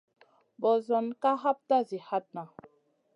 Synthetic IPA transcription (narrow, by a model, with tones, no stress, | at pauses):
bɔ˨zɔ˨nka˦ɦa˦p̚ta˦zi˨ha˦t̚na˨